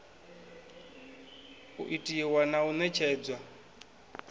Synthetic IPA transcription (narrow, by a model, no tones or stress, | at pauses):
ṵʔitʼiwanaunɛt͡ʃʰɛːd͡zwa